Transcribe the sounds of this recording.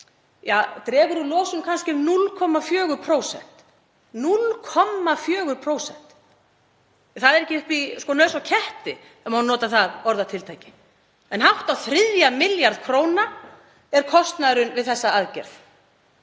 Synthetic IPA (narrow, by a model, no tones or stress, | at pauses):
jat̪ɾɛːɣʏɾʏloːwsʏmkʰanscɪnulkʰɔmːafjœːɣʏɾpʰɾoːwsɛ̰n̥t̪ | nulkʰɔmːafjœːɣʏɾpʰɾoːwsɛ̰n̥t̪ | θaðɛɾɛhcːɪʏpiskɔnœɥsawcʰɛht̪ɪ | ɛmanɔːt̪aθaðɔɾðat̪ʰɪlt̪ʰajcɪ | ɛnɦawht̪awθɾɪðjamɪljaɾðkʰɾoːwna | ɛɾ̥kʰɔst̪naðɾʏnvɪðθɛsːaaðcɛ̰ɾ̥θ